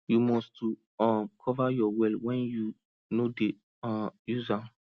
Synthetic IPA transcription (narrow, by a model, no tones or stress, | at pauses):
jumɔst | ɔkʰɔvajɔwɛlwɛ̃nju | node | juza